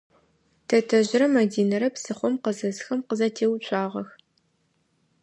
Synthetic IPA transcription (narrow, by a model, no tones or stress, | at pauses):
tʰɐtʰɐʑɪɾɐmɐdiːnɐɾɐpsɨχʷɔmqəzɐzxɐmqəzɐtʰeːwɕʷʼaːʁɐx